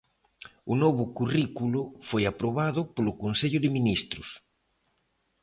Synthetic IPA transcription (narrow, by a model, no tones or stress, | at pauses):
ʊnoβʊkurikulʊfojapɾoβaðʊpolʊkonseʎʊðɪminist̪ɾʊs